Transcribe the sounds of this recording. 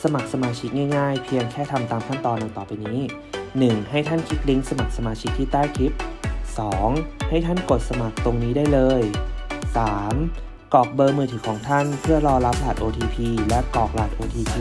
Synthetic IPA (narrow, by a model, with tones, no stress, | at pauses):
sa˧ma˨˩k̚sa˧maː˧t͡ɕʰi˦˥k̚ŋaː˥˩jŋaː˥˩jpʰi˧əŋkʰɛː˥˩t̪ʰa˧mt̪aː˧mt̪ʰa˥˩nt̪ɔː˧nːa˧ŋt̪ɔː˨˩pa˧jniː˦˥ | nɯ˨˩ŋha˥˩jt̪ʰa˥˩nkʰi˦˥k̪̚li˦˥ŋsa˧ma˨˩k̚sa˧maː˧t͡ɕʰi˦˥k̚t̪ʰiː˥˩t̪aː˥˩jk̪ʰi˦˥p̚sɔː˩˦ŋha˥˩jt̪ʰa˥˩nko˨˩t̪̚sa˧ma˨˩k̚t̪o˧ŋniː˦˥daː˥˩jlɤː˧jsaː˩˦m | kɔː˨˩k̚bɤː˧mɯː˧t̪ʰɯː˩˦kʰɔː˩˦ŋt̪ʰa˥˩npʰɯ˥˩ɐlɔː˧la˦˥p̚laː˨˩t̪̚ʔoː˧t̪ʰiː˧pʰiː˧lɛ˦˥ʔkɔː˨˩k̚laː˨˩t̪̚ʔoː˧t̪ʰiː˧pʰiː˧